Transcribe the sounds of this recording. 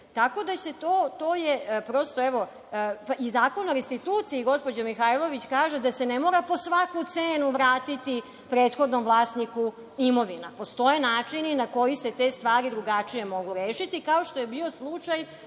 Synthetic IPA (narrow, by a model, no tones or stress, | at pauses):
t̪ako̞d̪ase̞t̪oːt̪oːjepɾo̞st̪oɛʋo̞ | paizaːko̞noɾest̪it̪uːt̪siiɡo̞spo̞d͡ʑomixajlˠo̞ʋit͡ɕkaːʒe̞d̪ase̞nemo̞ːɾapo̞sʋakut̪seːnuʋɾaːt̪it̪i | pɾeːt̪xod̪nomʋlˠaːsniku | imo̞ʋinapo̞st̪o̞je̞naːt͡ʂininako̞jise̞t̪e̞st̪ʋaːɾid̪ɾuɡat͡ʂije̞mo̞ɡuɾeːʃit̪ikaoʃt̪o̞je̞biːo̞slˠut͡ʂaj